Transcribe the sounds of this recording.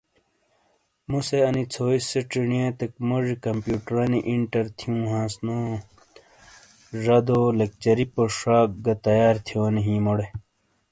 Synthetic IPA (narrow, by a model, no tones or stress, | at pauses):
museɐnit͡sʰoːiseʈ͡ʂiɳijãːt̪ekmoʐikɐmpjuːʈɾaːniʔiɳʈɐɾt̪ʰijũːɦãːsno | ʐɐd̪olek̚t͡ɕɐɾipoʂaːk̚ɡɐt̪ɐjaːɾt̪ʰijoːniɦĩːmoɽe